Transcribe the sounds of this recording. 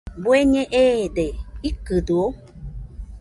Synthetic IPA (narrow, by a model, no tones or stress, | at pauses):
bueɲẽʔedeikɨduo